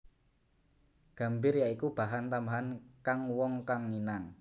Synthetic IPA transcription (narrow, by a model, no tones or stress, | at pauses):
ɡ̥a̤mbɪrjaikub̥a̤ɦant̪ambaɦankaŋwɔŋkaŋːinaŋ